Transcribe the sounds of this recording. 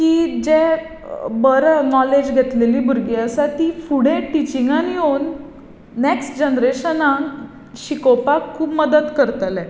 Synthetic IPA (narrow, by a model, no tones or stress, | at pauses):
kiːd͡ʑɛ | bəɾnɔled͡ʑɡʱɛt̪leliːbʱuɾɡiəsat̪ifuɽẽʈit͡ɕiŋɡanionː | eksʈd͡ʑənɾeɕənãŋ | ɕikopakʰːuːpməd̪əd̪kəɾt̪əlɛ̃